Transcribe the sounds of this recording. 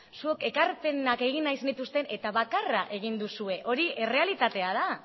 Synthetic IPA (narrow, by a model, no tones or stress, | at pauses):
sueke̞kaɾpe̞nake̞ɣ̞inːajsenit̪ust̪e̞ne̞t̪aβakaraʔe̞ɣ̞ind̪usue̞ʔo̞ɾie̞re̞alit̪at̪e̞aða